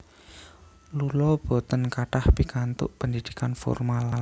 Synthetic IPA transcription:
lulɔb̥o̤t̪ənkaʈahpikant̪ʊʔpənd̪id̪̥i̥kanfɔ̰rmala

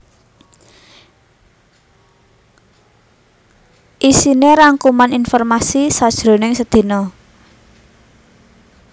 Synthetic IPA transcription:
ʔisineɾaŋkumaninfɔrmasisad̥ʒ̥ɾo̤nɪŋsəd̪̥i̤nɔ

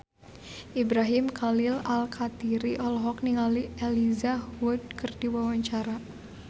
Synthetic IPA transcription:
ʔibɾaɦɪmkʰalɪlalkʰat̪iɾiʔɔlɔɦɔk̚niŋalielizahuʊd̚kərdiwawaɲt͡ʃaɾa

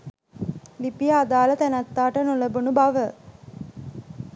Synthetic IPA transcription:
lipijaːd̪aːlət̪ænat̪ːaːʈənuləbunubaʋə

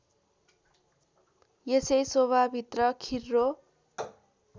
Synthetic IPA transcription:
jesʌjsoβʱabʱit̪rʌkʰirːo

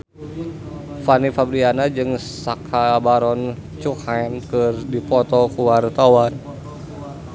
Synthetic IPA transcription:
fanifabɾianad͡ʒɨŋsakʰabaɾɔn | t͡ʃukankɨrdipɔt̪ɔkuart̪awan

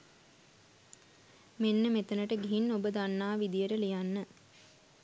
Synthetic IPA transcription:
menːəmet̪ənəʈəɡiɦinːobəd̪anːaːʋid̪ijəʈəlijanːə

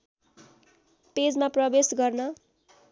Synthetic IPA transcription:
ped͡zmaprʌbesɡʌrnʌ

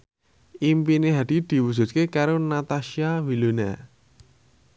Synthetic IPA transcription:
ʔimpineɦad̪̥i̤d̪̥i̤wu̥z̥ṳt̪̚kekaɾonat̪aʃiawilunḛ

